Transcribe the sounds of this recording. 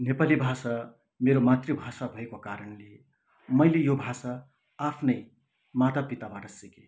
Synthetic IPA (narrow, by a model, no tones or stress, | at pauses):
nepalibʱasa | meɾomat̪ribʱasabʱʌekokaɾʌnle | mʌjlejobʱasaː | pʰnʌj | mat̪apit̪abaʈʌsike